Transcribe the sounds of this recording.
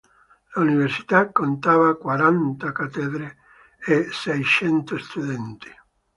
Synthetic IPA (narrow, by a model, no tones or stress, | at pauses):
launiversi̥t̪akːont̪aːvakwaɾant̪akat̪ːɛd̪ɾe | esɛjt͡ʃɛnt̪ost̪uðɛnt̪i̥